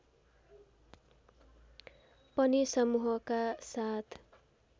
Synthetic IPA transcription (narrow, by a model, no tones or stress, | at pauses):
pʌnisʌmuɦʌkasat̪ʰ